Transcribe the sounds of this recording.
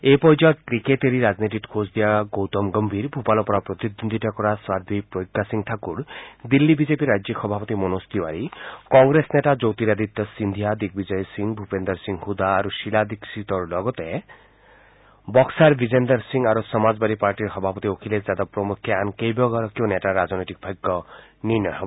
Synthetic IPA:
epɔjd͡ʒɔkɾikeʈeɾiɾad͡ʒnit̪iʈkʰosd̪ijaɡowt̪ɔmɡɔmbʱiɾbʱupalɔpɔɾapɾɔt̪id̪ond̪ʱiʈakɔɾaswad̪ʱipɾojkːasiŋt̪ʰakuɾd̪ilːibid͡ʒepiɾad͡ʒixɔbʱapɔt̪imɔnost̪iwaɾikɔŋɡɾesneʈad͡ʒowt̪iɾad̪ʱit̪ːɔsind̪ʱijad̪ik̚bid͡ʒɔjɔsiŋbʱupend̪ɔɾsiŋhud̪aːɾuʃilad̪iksit̪ɔɾlɔɡɔt̪e | bɔksaɾbʱid͡ʒend̪ɔɾsiŋɡaɾusɔmad͡ʒbaɾipaɾʈiɾxɔbʱapɔt̪iokʰiled͡ʒad̪ɔpɾɔmukʰjeankejbɔɡaɾɔkioneʈaɾad͡ʒnɔjt̪ik̚bʱajɡːɔniɾnɔɦɔb

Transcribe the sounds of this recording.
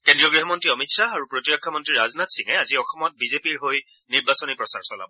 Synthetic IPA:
kendɹijɔɡɹiɦɔmɔntɹiɔmitsaaɹupɹotjɔkʰːɔmɔntɹiɹaznatsiŋɛaziɔxɔmɔt̚bizepiɹɦoj | niɹbasɔnipɹɔsa̰ɹsɔla̰bɔ

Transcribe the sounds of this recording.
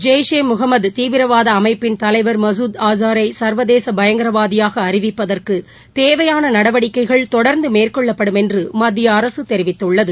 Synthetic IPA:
d͡ʒeːjʂeːmʊɣɐmːɐd̪t̪iːʋɪɾɐʋaːðɐːmɐɪpːɪnt̪ɐlɐɪʋɐɾmɐs̬uːd̪aːzaːɾɐɪsɐɾʋɐðeːsɐbɐjɐŋɡɪɾɐʋaːðɪjaːɣɐːɾɪʋɪpːɐðɐrkɯ | t̪eːʋɐjaːnɐnɐɽɐʋɐɽɪkːɐɪɣɐɭt̪ɔɽɐɾnd̪ɯmeːrkɔɭːɐpːɐɽɯmɛndrɯmɐd̪ːɪjɐːɾɐsɯt̪ɛɾɪʋɪt̪ːɯɭːɐðɯ

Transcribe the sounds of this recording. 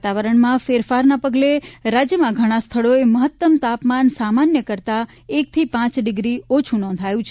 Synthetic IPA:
t̪aʋəɾəɳ̃mãfeɾfaɾnapəɡleɾad͡ʒjəmãɡʱəɽ̃ast̪ʰəɭoeməɦət̪ːəmt̪apmansamanjəkəɾt̪a | ek̚t̪ʰipãt͡ʃɖɪɡɾiot͡ʃʰũnɔ̃nd̪ʱajũt͡ʃʰ

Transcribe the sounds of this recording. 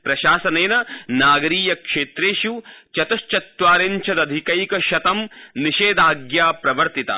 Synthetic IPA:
pɾɐʃaːsɐneːnɐnaːɡɐɾiːjɐkʂeːt̪ɾeːʃut͡ʃɐt̪ɐʃt͡ʃɐt̪ʋaːɾeɲt͡ʃʰɐd̪ɐd̪ʱikɐjkɐʃɐt̪ɐmniʃeːd̪aːɡjaːpɾɐʋɐɾt̪it̪ɐ̰

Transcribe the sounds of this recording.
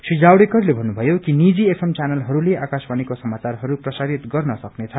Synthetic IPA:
sud͡zawɽekʌrlebʱʌnːubʱʌjokinid͡ziesʰemt͡sanʌlɦʌɾuleakasbanikosʌmat͡sarɦʌɾuprʌsaɾit̪ɡʌrnʌsʌknet͡sʰʌ

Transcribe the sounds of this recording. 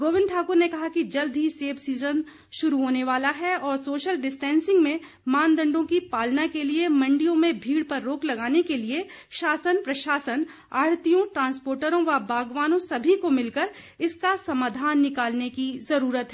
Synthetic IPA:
ɡoːʋɪ̃nɖʈʰaːkʊɾnekɐɦakid͡ʒɐld̪ʱiseːbsiːzən | ʃʊɾuɦoːneʋaːlaɦɛɔːɾsoːʃəlɖɪsʈɛ̃ːnsɪ̃ŋɡmẽ | maːnd̪ɐ̃ɳɖõkipaːlnakeliemɐ̃ɳɖijõmẽbʱiːɽpɐɾːoːklɐɡaːnekelieʃaːsənpɾɐʃaːsən | aːɽt̪ijõʈɾãːnspoːɾʈəɾõʋɐbʱaːɡʋaːnõsɐbʱikomɪlkəɾ | ɪskasɐmaːd̪ʱaːnːɪkaːlnekizɐɾuːɾət̪ɦɛ

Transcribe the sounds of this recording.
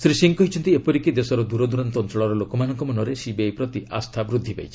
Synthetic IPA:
sɾisiŋkɔɦit͡ʃʰɔnt̪iepɔɾikid̪esɔɾɔd̪uɾɔd̪uɾɔnt̪ɔntɔɭɔɾɔlokɔmanɔŋkɔmɔnɔɾesibejpɾɔt̪ia̰st̪ʰabɾud̪ʱːipa̰jt͡ʃʰi̥

